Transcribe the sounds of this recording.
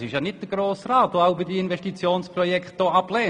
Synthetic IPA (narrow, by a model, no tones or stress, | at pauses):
sɪʃjɑnɪt̚d̥əɡɾoːsraːtʋoaʊbɪdiɪnvɛʃtit͡sjoːnsprɔjɛkt̚d̥oːɑplɛː